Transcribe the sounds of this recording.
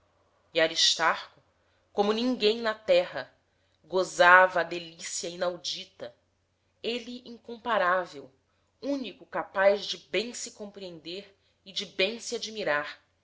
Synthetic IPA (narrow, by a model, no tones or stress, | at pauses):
iaɾiʃt̪aɾkʊ | kõmʊnĩŋɡẽj̃nɐt̪ɛɦɐ | ɡozavɐːd̪elisiɐinawd͡ʒit̪ɐ | eliʔĩŋkõmpaɾavew | ũnikʊkapajzd͡ʒɪbẽj̃sɪkõpɾiẽnd̪eɾ | ɪd͡ʒɪbẽj̃siad͡ʒimiɾaɾ